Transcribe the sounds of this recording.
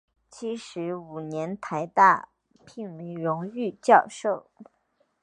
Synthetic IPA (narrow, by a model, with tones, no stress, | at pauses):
t͡ɕʰi˧˥ʂɻ̩˧˥u˨˩njɛ˧˥nt̪ʰa˧˥ɪt̪a̰˥˩ | pʰi˥˩ŋwe˧˥ɪɻʊ˧˥ŋy˥˧t͡ɕjɑ˥˧ʊʂo˥˩ʊ